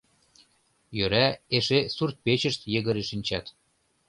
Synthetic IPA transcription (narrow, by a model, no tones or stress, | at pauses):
jøɾæeʃesurt̪̚pet͡ɕə̆ʃt̪jə̆ɣə̆ɾeʃinʲt͡ɕɑt̪